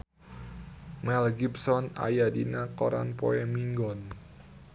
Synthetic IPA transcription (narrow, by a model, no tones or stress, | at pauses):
mɛlɡipsɔna̰jadinakɔɾa̰npɔ̰ɛmiŋɡɔn